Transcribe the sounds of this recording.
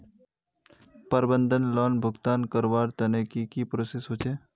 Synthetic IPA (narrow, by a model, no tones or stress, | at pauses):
pəɾbə̃nd̪ʱənlɔːnbʱʊɡt̪aːnkəɾʋaːɾt̪ɐnekikipɾosesɦoːt͡ʃʰeː